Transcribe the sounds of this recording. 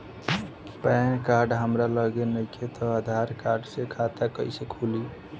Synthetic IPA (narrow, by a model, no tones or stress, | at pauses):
pɛnkaɾɖɦəmɾaləɡenəjket̪ʰɔad̪ʱaɾkaɾɖsekʰat̪akəjsəkʰuli